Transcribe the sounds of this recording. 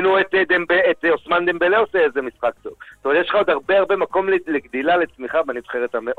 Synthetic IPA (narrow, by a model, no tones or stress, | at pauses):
nuet̪d̪embeet̪osmand̪embeleoseezemisχakt̪o̞̰v̥t̪odeʃlχaod̪haʁbeaʁbemako̞mleleɡd̪ilale̞t͡smiχaveanivχeʁet̪ameʔ